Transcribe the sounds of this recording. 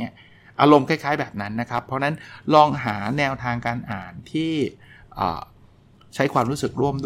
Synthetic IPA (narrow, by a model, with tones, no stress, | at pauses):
ŋːi˦˥ɐ | ʔaː˧ɾo˧mkʰaː˥˩jkʰaː˦˥jbɛː˨˩p̚na˦˥nːa˦˥kʰɾa˦˥pʰːɾɔ˦˥na˦˥nlɔː˧ŋɦaː˩˦nɛː˧wt̪ʰaː˧ŋkaː˧nʔaː˨˩nt̪ʰiː˥˩ʔɤ̰ː˨˩ | t͡ɕʰa˦˥jkʰwaː˧mɾuː˦˥sɯ˨˩k̚ɾu˥˩əmdu˥